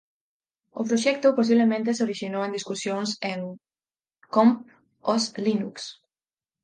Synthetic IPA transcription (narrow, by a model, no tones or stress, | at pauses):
ʊ̰pɾoʃɛk̚t̪ʊpos̬iβlemẽnt̪esoɾiʃinowẽnd̪iskusjoŋseŋ | komp | oslinuks